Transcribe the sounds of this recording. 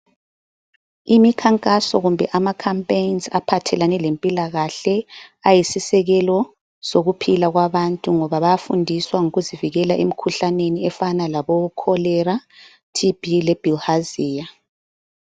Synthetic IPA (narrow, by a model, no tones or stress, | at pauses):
imikʰaŋkʼasɔɣumbʱɛʔamakʰampʼeinza̰pʰatʰɛlanɛlempʼilaɣaɬɛajisisɛɣɛlɔ | soɣupʰilaɣwaβantʼuŋɔβaβajafundʱiswaŋuɣuziviɣɛlaʔem̩ikʰuɬaneniɛfanalaβɔukʰɔlɛra | tʰib̥ʱilɛb̥ʱilhaziːja